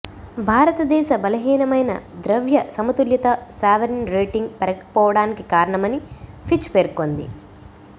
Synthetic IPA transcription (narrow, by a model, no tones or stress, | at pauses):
bʱaːɾɐt̪ɐd̪ɛːʃɐbɐlɐɦiːnɐmɐjnɐ̰d̪ɾɐʋjɐsɐmɐt̪uljɐt̪ɐsaːʋɐɾinɾeːʈiŋɡpɐɾɐkɐpɔːʋɐɽaːnikikaːɾɐɳɐmɐnipʰit͡ʃːpeːɾkond̪ḭ